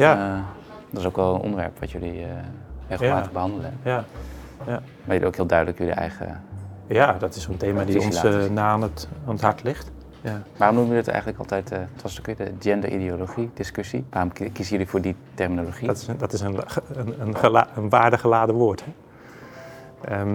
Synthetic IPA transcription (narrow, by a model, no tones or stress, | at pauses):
ja | dɔtɪsowkʋɛlˠənʔɔ̰ndəʋɛ̰ɹpʋɑtjøli | reɣəlmaːtəəbəɦɑndələɛ | ʋajəliowkɦiːlˠdœɥdələkjølḭʔɛ̰jχə̰jadɔtɪsoənteːmaːdiɔnsnaːanətːnəthaɹtʰlɪxt | jaʋaːrɔmnumjələtɛ̰jχənləkɑ̰lˠtɛjttʋɔstokʋɪːdəd͡ʒɛndə̰ʔḭdioloχidɪskøsḭʋaːrɔmkisəjɵlifʊːɹditɛrminoloχidɔtɪsənəənənʋaːɹdəχəlaːdəʋoːəɹthɛ | ə